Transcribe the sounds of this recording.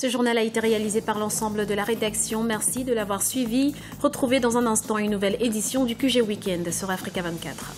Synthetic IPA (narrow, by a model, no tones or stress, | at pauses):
səʒuʁnalaet̪eʁealizepaʁlɑ̃sɑ̃bləd̪əlaʁed̪aksjɔ̃mɛʁsid̪əlavwaʁsɥivi | ʁət̪χuved̪ɑ̃zɛ̃nɛ̃st̪ɑ̃ynːuvɛled̪isjɔ̃d̪ykʲyʒewikʲɛ̃nd̪syʁafχikavɛ̃t̪̚ka̰t̪χ